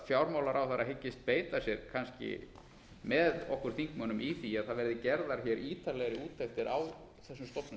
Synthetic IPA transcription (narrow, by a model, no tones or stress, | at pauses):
fjawɾmawlaɾawθaɾaɦɪcːɪst̪̚peːjt̪asjɛɾ̥kʰanscɪ̰ | mɛðɔhkʏɾ̥θiŋkmœːnʏmiθiaðθaðvɛɾðɪcɛɾðaɾ̥çɛːɾʔiːt̪alɛɣɾɪuːt̪ʰːɛxt̪ɪɾaw | θɛsːʏmst̪ɔhpnʏ